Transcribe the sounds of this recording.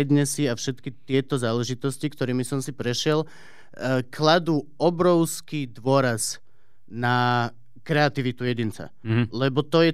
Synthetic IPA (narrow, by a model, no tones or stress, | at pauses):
d̪ɲɛsiafʃɛt̪kit̪ɪɛt̪ɔzaːlɛʒit̪ɔscikt̪ɔɾiːmisɔmsipɾɛʃɪɛl | kʰlad̪uːɔbɾɔʊskiːd̪ʋʊɔɾaz | na | kɾɛat̪iʋit̪ujɛɟint͡sa̰lɛbɔt̪ɔjɛ